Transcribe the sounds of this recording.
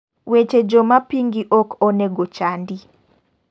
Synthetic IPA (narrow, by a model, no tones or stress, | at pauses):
wet͡ʃed͡ʒomapiŋɡiʔokʰɔneɡot͡ʃandi